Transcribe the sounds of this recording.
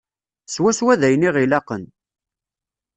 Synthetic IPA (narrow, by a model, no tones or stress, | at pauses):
swæswæðæjniʁilɑqən